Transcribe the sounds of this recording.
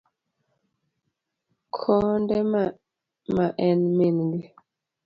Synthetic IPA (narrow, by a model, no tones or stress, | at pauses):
kʰɔndɛm | maʔɛnminɡi